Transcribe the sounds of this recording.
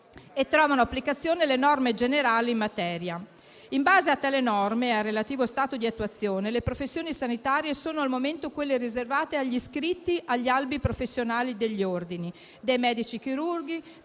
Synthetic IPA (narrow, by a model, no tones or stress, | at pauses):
et̪ːɾɔːvanoapːlikat̪sːjoːnelenɔrmed͡ʒeneɾaːliːmmat̪ɛːɾja | imbaːzeat̪ːaːlenɔrmearːelat̪iːvost̪aːt̪od̪iat̪ːuat̪sːjoːnelepɾofesːjoːnisanit̪aːɾjesoːnoalmoment̪okwelːeɾizervaːt̪eaʎːiskɾit̪ːiʔaʎːialbipɾofesːjonaːlid̪eʎːiord̪ini | d̪ejmɛːd̪it͡ʃikiɾurɡi